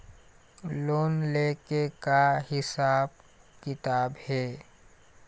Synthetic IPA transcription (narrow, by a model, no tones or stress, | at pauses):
loːnleːkekaɦɪsaːb | kɪt̪aːbhɛː